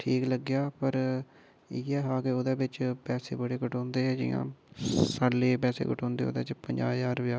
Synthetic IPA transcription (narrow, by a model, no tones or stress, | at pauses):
ʈʰiːkləɡːjaːpəɾ | iːɛːɦaːkeːoːd̪eːbɪt͡ʃpɛːseːbəɽeːkəʈɔ̃ːnd̪eːɦɛːd͡ʒɪ̰jã̰ːsaːlːeːpɛːsḛːkəʈɔ̃ːnd̪ḛːo̰ːd̪ḛːt͡ʃpəɲd͡ʒaːeaːɾʋjaː